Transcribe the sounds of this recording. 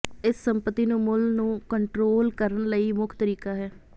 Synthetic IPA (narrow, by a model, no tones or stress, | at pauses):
ɪsːəmpət̪ːiːnũːmʊlnũːkəɳʈɾoːlkəɾənləiːmʊkʰt̪əɾiːkaːɦɛː